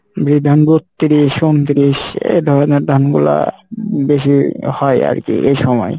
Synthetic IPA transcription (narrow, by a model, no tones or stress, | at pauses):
bɾid̪ʱanɡott̪ːiɾiʃont̪iɾiʃḛd̪ʱɔɾoneɾd̪ʱanɡula̰beʃ̬ihɔja̰ɾkḭʔejʃɔmɔj